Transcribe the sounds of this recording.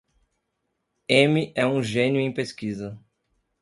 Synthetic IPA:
ẽmiʔɛũʒẽnjʊẽj̃peskizɐ

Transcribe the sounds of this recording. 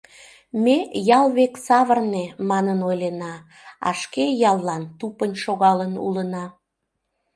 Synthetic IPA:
mejɑlβeksɑβərnemɑnənojlenɑ | ɑ̰ʃkejɑlˠːɑnt̪upənʃoɣɑlənṵlənɑ

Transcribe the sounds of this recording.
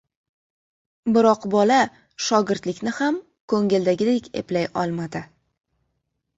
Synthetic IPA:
bɪɾɒqbɒla | ʃɒɡʲɪɾt̪lɪkʲnɪham | kʰɵŋɪld̪aɡʲɪd̪ekʲʰe̞̰plajɒlˠmad̪ɪ

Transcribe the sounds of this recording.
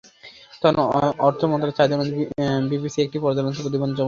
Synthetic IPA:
t̪ɔnɔɾt̪ʰomɔnt̪ɾat͡ɕajd̪omõnt̪bibisiek̚ʈipɔɾd̪anont̪ipod̪̬ibond͡ʑɔm

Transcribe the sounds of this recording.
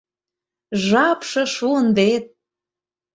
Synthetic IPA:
ʒɑpʃɤ̆ʃuənvet̪̚

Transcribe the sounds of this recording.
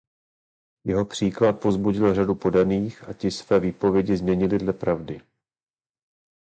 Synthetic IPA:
jɛɦo̞pr̝̥iːklat̪̚po̞zbuɟɪlradupo̞daniːxʔacɪsvɛːviːpo̞vjɛɟɪzmɲɛɲɪlɪdlɛpɾavdɪ

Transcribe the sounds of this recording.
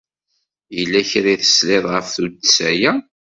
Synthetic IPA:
jəlːæçɾiθə̥sleðˤʁəfθud̪sæjæ

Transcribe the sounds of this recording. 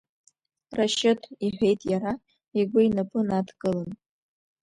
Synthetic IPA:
raʃɨtʰiħʷᶣe̞jtʼjaɾa | iɡʷʊinapʼɨnatʰkʼɨlɨn

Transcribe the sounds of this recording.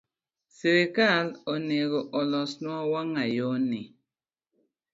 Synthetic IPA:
seɾekalɔneɡɔʔɔlɔsnwawaŋajɔni

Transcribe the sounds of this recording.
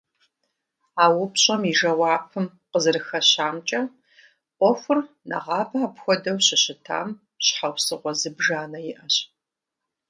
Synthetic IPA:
aːwʊpɕʼɐmiʒɐwɑːpʰɨm | qəzɨrɨxɐɕaːmt͡ʃʼɐ | qʷɔxʷʊr | nɐ̰ʁɑːbɐaːpxʷɔdɐwɕɪɕɪtʰa̰ːm | ɕħawsɨʁʷɔzɨbʒaːnɐjɪʔɐɕ

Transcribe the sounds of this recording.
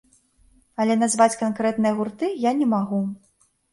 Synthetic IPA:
ɐlʲɛnazvat͡sʲkankɾɛt̪nɨjɐɣurt̪ɨjanʲɛmaɣu

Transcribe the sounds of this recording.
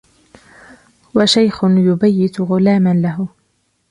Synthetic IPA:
waʃajxʊnjʊbajːɪt̪ɣʊlaːmanlaɦʊ

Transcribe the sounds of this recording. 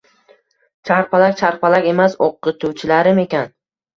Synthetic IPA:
t͡ʃʰaɾpʰalak̚ʲt͡ʃʰaɾpalakʲe̞masoqːɨt̪ʰuwt͡ʃʰɪlaɾɪme̞kʲan

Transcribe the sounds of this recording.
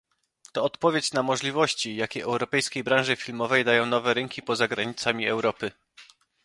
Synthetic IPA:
t̪ɔːt̪pɔvʲjet͡ɕnamɔʐlʲivɔɕt͡ɕijakʲejɛwɾɔpɛjskʲejbɾãw̃ʐɘfʲilmɔvɛjd̪ajɔ̃w̃nɔvɛɾɛŋkʲipɔzaɡɾaɲit̪samʲiɛwɾɔpɘ

